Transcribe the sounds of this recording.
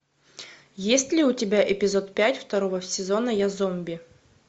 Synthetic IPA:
jesʲtʲlʲɪʊtʲɪbʲaʔɪpʲɪzot̪pʲætʲft̪ɐɾovəsʲɪzo̞nəjazomʲbʲɪ

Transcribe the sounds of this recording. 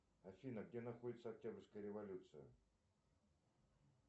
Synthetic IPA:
ɐfʲinəɡdʲenɐxodʲɪt̪səɐk̚tʲabrʲskəjəɾʲɪvɐlʲut̪sɨjə̰

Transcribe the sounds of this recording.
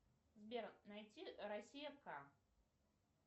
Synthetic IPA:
zʲbʲernajt͡sʲiɾasʲijɐfka

